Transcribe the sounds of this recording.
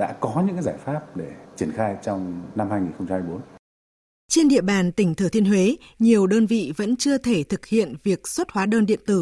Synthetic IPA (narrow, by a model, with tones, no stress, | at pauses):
ɗa̰ː˧˥kɔ˨˦ɲɨ̰˧˥ŋzaː˧˩jfaː˦˥p̚ɗe˧˩t͡ɕi˧˩ənxaː˧jt͡ɕɔ˧wŋ͡mna˧mhaː˧jŋi˨˩nxə˧ŋ͡mt͡ɕa˧mha˧jɓo˨˦n | t͡ɕe˧nɗḭ˧˨əɓaː˨˩nt̪ï˧˩ŋ̟t̪ʰəː˧˩t̪ʰənɦwe˨˦ɲi˨˩əwɗəː˧nvḭ˧˨və̰˧˥nt͡ɕɨ˧ət̪ʰe˧˩t̪ʰɨ˨˩k̚hḭ˧˨ənvi˨˩ək̚swə˦˥t̚hwaː˨˦ɗəː˧nɗḭ˧˨ənt̪ɨ˧˩